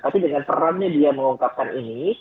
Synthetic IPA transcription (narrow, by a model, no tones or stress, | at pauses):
kapidəŋanpə̰ɾamɲadiaməŋuŋkap̚kanʔini